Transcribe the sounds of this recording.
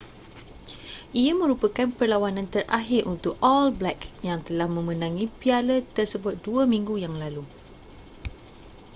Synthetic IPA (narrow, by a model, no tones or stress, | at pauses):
ʔiamə̃ɾupəkanpərlawanãnt̪ərʔa̰ɦɪrʔunt̪ʊkɔlblɛkjaŋt̪əlahmə̃mə̃nãŋĩpialət̪ərsəbʊt̪̚duəmĩŋɡujaŋlalu